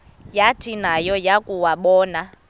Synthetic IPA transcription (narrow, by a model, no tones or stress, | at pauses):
jatʰinajɔjakʼuwaɓɔːna